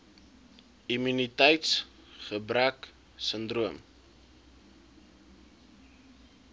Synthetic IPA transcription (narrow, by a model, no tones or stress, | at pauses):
imynitəjts | χəbræk | səndruəm